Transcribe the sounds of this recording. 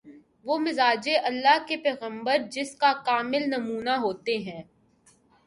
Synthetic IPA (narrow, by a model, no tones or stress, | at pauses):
ʋoːmɪzaːd͡ʒeʔɐlːaɦkepɛːɣə̃mbəɾd͡ʒɪskakaːmɪlnɐmuːnaɦoːt̪eɦɛ̃ː